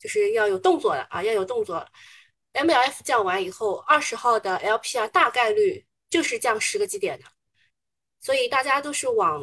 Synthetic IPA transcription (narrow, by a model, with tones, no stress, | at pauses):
jo˥˧ʊʂɻ̩˥˧jɑ˥˩ʊjo˨˩ʊt̪ʊ˥˧ŋt͡swɔ˥˩lə̰˩ʔɐ̰˧jɑ˥˩ʊjo˨˩ʊt̪ʊ˥˧ŋt͡swɔ̰˥˩lə̰˩ | ɛ˥nmɛ˥˩ɛ˥ft͡ɕjɑ˥˩ŋwa˧˥ni˨˩xo˥˧ʊɐ˥˩ʂɻ̩˧˥xɑ˥˩ʊd̪ə˩ʔɛ˥lpʰi˥a˧˩t̪a˥˧ka˥˧ɪly˥˩ | t͡ɕjo˥˧ʊʂɻ̩˥˧ʈ͡ʂjɑ˥˩ŋʂɻ̩˧˥ɡə˧t͡ɕi˧˥t̪jɛ˨˩nd̪ə˦ | swɔ˧˥i˨˩t̪a˥˩t͡ɕja˥t̪o˥˧ʊʂɻ̩˥˩wɑ˨˩˦ŋ